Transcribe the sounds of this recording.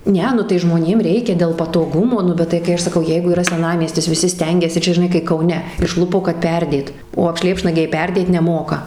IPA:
ˈnʲɛ nʊ tɐɪ ˈʒmoːnʲeːm ˈrʲɛɪkʲɛ dʲeːlˠ pɐtoːˈɡʊmoː ˈnʊ ˈbʲɛt tɐɪ kɐɪ ˈɐʃ ˈsɑːkɐʊ ˈjɛɪɡʊ iːˈrɐ sʲɛˈnɑːmʲiɛsʲtʲɪs ʋʲɪˈsʲɪ ˈsʲtʲɛŋʲɡʲɛsʲɪ ˈt͡ʃʲɛ ʒʲɪˈnɐɪ kɐɪ kɐʊˈnʲɛ ɪʃˈlˠʊpoː kɐt ˈpʲɛrʲdʲeːt oː ɐpʲˈʃʲlʲeːpʃnɐɡʲɛɪ ˈpʲɛrʲdʲeːt nʲɛˈmoːkɐ

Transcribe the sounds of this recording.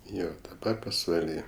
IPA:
ˈjoː dɐˈbɐ pɐsʋɐˈlʲiː

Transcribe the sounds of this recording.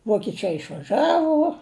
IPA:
ʋoːkʲɪˈt͡ʃɐɪ ɪʃʋɐˈʒɑːʋʊ

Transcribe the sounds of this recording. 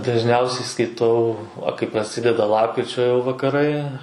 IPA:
dɐʒʲˈnʲɛʊsʲɛɪ skɐɪˈtɐʊ ʋɐ kɐɪ prɐˈsʲɪdʲɛdɐ ˈlˠɑːpkrʲɪt͡ʃʲoː jɛʊ ʋɐkɐˈrɐɪ

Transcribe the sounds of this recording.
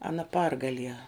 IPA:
ɐˈnɐ ˈpɐrɡɐlʲiɛ

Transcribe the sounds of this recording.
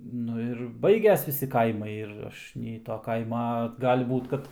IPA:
ˈnʊ ɪr ˈbɐɪɡʲɛs ˈʋʲɪsʲɪ ˈkɐɪmɐɪ ɪr ˈɐʃ nʲɛɪ toː ˈkɐɪmɐ ˈɡɑːlʲɪ ˈbuːt kɐt

